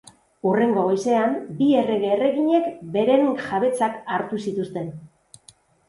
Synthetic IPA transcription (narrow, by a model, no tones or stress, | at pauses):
ure̞ŋɡo̞ɣojse̞ambie̞re̞ɣeːre̞ɣiɲe̞kbe̞ɾe̞ŋʝaβe̞t͡sakaɾt̪usit̪ust̪e̞n